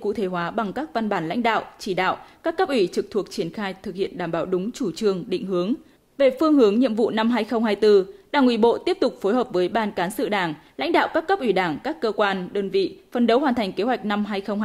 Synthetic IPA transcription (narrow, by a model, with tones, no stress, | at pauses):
kṵ˧˨t̪ʰe˨˦ɦwaː˨˦ɓa˨˩ŋkaː˦˥k̚va˧nɓaː˧˩nla̰˧˥ŋ̟ɗa̰ː˧˨wt͡ɕi˧˩ɗa̰ː˧˨wkaː˦˥kːə˦˥p̚ʔwi˧˩t͡ɕɨ˨˩k̚t̪ʰu˨˩ək̚t͡ɕi˧˩ənxaː˧jt̪ʰɨ˨k̚hḭ˧˨ənɗaː˧˩mɓaː˨˦wɗʊ˨˦ŋ͡mt͡ɕu˧˩t͡ɕɨ˧˩əŋɗḭ˧˨ŋ̟hɨ˨˦əŋ | ve˨˩fɨ˧əŋhɨ˨˦əŋɲḭ˧˨əmvṵ˧˨na˧mɦaː˧jxə˧wŋ͡mhaː˧jt̪ɨ˧ɗaː˧˩ŋwi˧˩ɓo̰˧˨t̪i˦˥əp̚t̪ʊ˨˩k͡p̚fo˨˦jɦəː˨˩p̚vəː˨˦jɓaː˧nkaː˨˦nsɨ̰˧˨ɗaː˧˩ŋla̰˧˥jŋ̟ɗa̰ː˧˨wkaː˦˥kːə˦˥p̚ʔwi˧˩ɗaː˧˩ŋkaː˦˥kːəː˧kwaː˧nɗəː˧nvḭ˧˨fə˨˩nɗə˨˦wɦwaː˨˩nt̪ʰa˨˩jŋ̟ke˨˦ɦwa˨˩jk̟̚na˧mɦaː˧jxə˧wŋ͡m